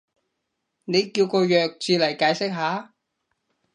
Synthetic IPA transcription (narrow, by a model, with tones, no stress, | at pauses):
ne˨˧jkiː˧wkɔː˧jœː˨k̚t͡siː˨˧lɐ˨˩jkaː˨˧jsɪ˥k̚ɦaː˨˥